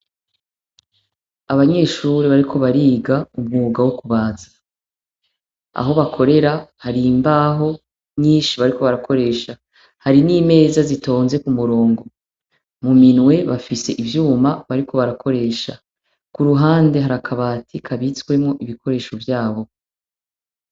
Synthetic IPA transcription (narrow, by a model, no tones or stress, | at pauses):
aβaɲe̞ːʃuːɾeβaɾikʰo̞βaɾiːɡaumŋuːɡawokuβaːzḁ | a̰ɦo̞βakʰo̞ɾe̞ɾahaɾimbaɦo̞ | ɲiːnʃiβaɾiko̞βaɾako̞ɾe̞ːʃa | haɾinime̞ːzazito̞ːnze̞kumuɾo̞ːŋɡo̞ | muminwe̞βafise̞ʔivjuːmaβaɾiko̞βaɾakʰo̞ɾe̞ːʃa̰ | kuɾuɦaːnde̞ɦaɾakʰaβaːtʰikʰaβit͡swe̞mŋo̞ʔiβikʰo̞ɾe̞ːʃo̞vjaːβo̞